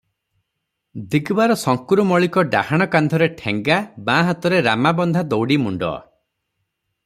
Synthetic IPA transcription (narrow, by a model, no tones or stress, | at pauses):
d̪iɡbaɾɔsɔŋkuɾumɔɭikɔɖa̰haɽ̃ɔkand̪ʱɔɾeʈʰeŋɡabãɦat̪ɔɾeɾa̰mabɔnd̪ʱad̪ɔwɽimuɳɖɔ̰